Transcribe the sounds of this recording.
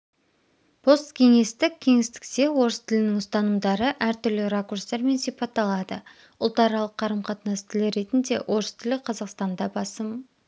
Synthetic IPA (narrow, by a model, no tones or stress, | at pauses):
pʰo̞st̪kʲʰe̞ŋe̞st̪ɪk̚ʲʰːe̞ŋɪst̪ɪ̥kse̞wo̞ɾəst̪ʰɪlɪnɪŋʊst̪ɑnəmd̪ɑɾəʔæɾt̪ʏɾlɪɾakurst̪eɾme̞nsijpɑt̪ːɑlˠɑd̪ə | ʊlˠt̪ɑɾɑlˠəqʰːɑɾəmqʰɑt̪nɑst̪ʰɪlɪɾe̞t̪ɪnd̪e̞̰wʔo̞ɾəst̪ʰɪlɪqʰɑzɑqst̪ɑnd̪ɑbɑsəm